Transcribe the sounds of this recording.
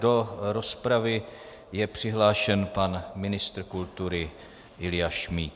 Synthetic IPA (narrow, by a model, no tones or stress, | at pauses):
do̞ɾo̞spɾavɪ | jɛpr̝̥ɪɦlaːʃɛnpanmɪnɪst̪ɾkult̪uɾɪ | ʔɪlɪjaʃmiːt̪